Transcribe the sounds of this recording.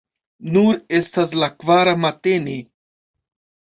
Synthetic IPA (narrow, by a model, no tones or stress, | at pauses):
nuɾest̪as̬lakvaɾamat̪eni